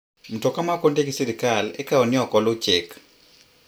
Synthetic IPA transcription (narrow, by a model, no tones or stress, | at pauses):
m̩tɔkamakondekisiɾikalɛkaɔnjɔkɔlʊt͡ʃek